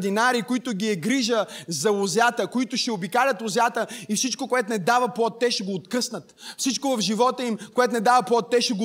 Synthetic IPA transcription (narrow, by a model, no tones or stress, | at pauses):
d̪inaɾikoit̪ʊɡiɛɡɾiʒəzɐʊzʲat̪əkoit̪ʊʃɛobikalʲət̪ʊzʲat̪əifsit͡ʃkokoɛt̪ʊnɛd̪avɐplˠɔt̪ːɛʃɛɡoːt̪kɤsnət̪fsit͡ʃkovɐvʒivɔt̪əimkoɛt̪onɛd̪avɐplˠɔt̪ːɛʃɛɡo